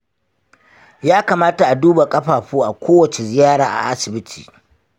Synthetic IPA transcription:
jaː˦kaː˨maː˦ta˨ʔa˨duː˦ba˨kʼɐ˦ɸaː˨ɸuː˦ʔa˨kʷoː˦wɐ˨t͡ʃe˨zɪ˨jaː˦ɽaː˨ʔa̰˨ʔa˦sɪ˨bɪ˦tʰiː˨

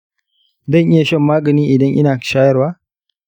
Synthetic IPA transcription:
zɐ˦˨ŋʔɪ˦ja˨ʃɐ˦mːaː˦ɡɐ˨niː˦ʔɪ˨dɐ˦ŋʔɪ̰˦naː˨ʃaː˦jɐ˦rwaː˦

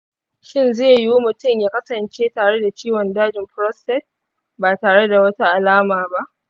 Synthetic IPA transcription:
ʃɪ˦nzeː˦˨ju˦mʊ˨tʊ˦mjaː˦kɐ˦sɐ˨nt͡ʃeː˦taː˨ɽe˦da˨t͡ʃiː˦wɔ˨ndaː˦d͡ʒɪ˨mɸɾɔ˦stɛ˦t̚ | baː˨taː˨ɽe˦da˨wɐ˦ta˦ʔa˨laː˦maː˨ba˦ʔ

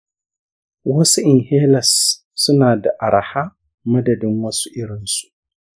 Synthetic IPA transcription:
wɐ˦su˦ʔɪ˨nhe˦lɐ˨sː | u˦naː˨da˨ʔa˨ɾa˨ha˦ | mɐ˦dɐ˨dɪ˦nwɐ˦su̥˦ʔɪ˦ɾɪ˨˦nsu̥˦

